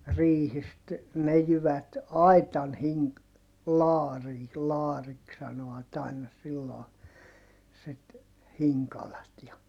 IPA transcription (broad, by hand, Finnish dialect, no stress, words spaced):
riːhist ne jyʋæt ɑi̯tɑn hiŋ lɑːriː lɑːriks sɑnoɑt ɑinɑ silːoː sit hiŋkɑlɑt jɑ